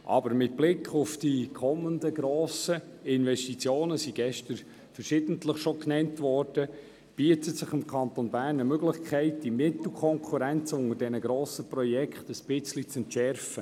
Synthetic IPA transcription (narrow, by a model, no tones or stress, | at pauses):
ʔɑ̰bəɾmɪt̚b̥lɪkχʊfd̥ikʰɔməndəɡ̥ɾoːsəɪnvɛʃtit͡sjoːnəsiɡ̥ɛʃtəɾ | fərʃɪd̥ən̩tləχʃɔknɛntʋɔrd̥ə | b̥iətətsɪχɪmkʰɑnt̪onbæːrnəmøɡlɪχkʰɛɪt̚d̥imɪtl̩ˠkʰɔŋkʰuɾænt͡sʊŋəɾdɛnəɡ̥ɾoːsəprɔjɛkχtəspɪt͡slit͡sɛntʃɛrfə